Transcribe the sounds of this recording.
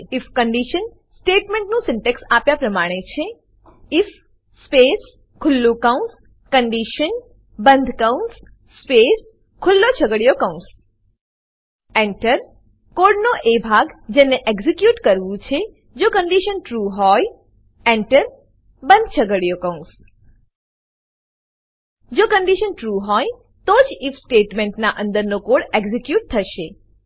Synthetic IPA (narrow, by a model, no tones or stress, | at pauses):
ɪfkəɳɖiʃən | sʈeʈmẽɳʈnũsɪɳʈeksapjapɾəmaɽ̃et͡ʃʰe | ɪfː | pes | kʰʊlːũkaũns | kəɳɖiʃən | bənd̪ʱkawns | spes | kʰʊlːot͡ʃʰəɡəɽijokaũs | ẽɳʈəɾ | koɾɖnoʔebʱaɡd͡ʒeneʔɛɡzikjuʈkəɾʋũt͡ʃʰe | d͡ʒokəɳɖiʃənʈɾuɦɔj | ɛɳʈəɾ | bənd̪ʱt͡ʃʰəɡəɽijokəũs | d͡ʒokəɳɖiʃənʈɾuɦɔj | t̪od͡ʒifsʈeʈmeɳʈnaʔə̃nd̪əɾnokoɽeɡzikjuʈ̚t̪ʰəʃe